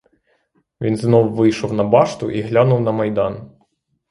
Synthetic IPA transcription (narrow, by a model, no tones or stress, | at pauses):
ʋʲinznɔwʋɪjʃɔwnɐbɑʃt̪ʊʔiɦlʲanʊwnɐmɐjd̪ɑn